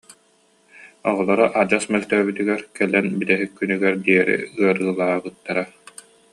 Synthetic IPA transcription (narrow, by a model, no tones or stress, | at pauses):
ɔʁɔlˠɔɾɔʔad͡ʑasmɛlt̪œːbyt̪yɡɛɾkɛlːɛnbit̪ɛɦikːynyɡɛɾd̪iɛɾḭɯɐɾɯːlˠaːbɯt̪ːaɾa